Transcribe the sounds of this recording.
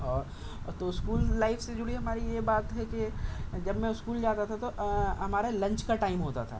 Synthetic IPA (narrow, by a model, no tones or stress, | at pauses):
ɔːɾ | t̪oʊskuːlːaːɪfʰsed͡ʒʊɽiɦɐmaːɾijebaːt̪ɦɛked͡ʒɐbmɛ̃ʊskuːld͡ʒaːt̪at̪ʰat̪oɦɐmaːɾelɐ̃ɲt͡ʃkaʈaːɪmɦoːt̪a̰t̪ʰa̰ː